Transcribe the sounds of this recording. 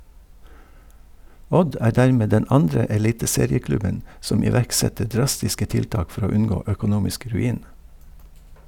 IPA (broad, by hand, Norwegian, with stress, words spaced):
ˈɔd ˈæː ˈdæːɹˌmeː ˈdɛn ˈɑndɹə ɛˈliːtəˌseːɾɪəˌklʉbən ˈsɔm ɪˈʋæɹkˌsɛtə ˈɖɹɑstɪskə ˈtɪlˌtɑːk ˈfɔɾ ˈoː ˈʉnˌɡoː œkʊˈnuːmɪsk ɾʉˈiːn